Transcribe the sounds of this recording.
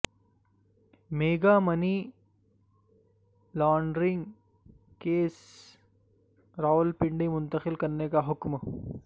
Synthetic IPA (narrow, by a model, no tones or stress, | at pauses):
meːɡamɐni | laːɳɖɾɪ̃ŋɡ | keːs | ɾaːʊlpɪɳɖimʊ̃nt̪əxɪlkɐɾnekaɦʊkm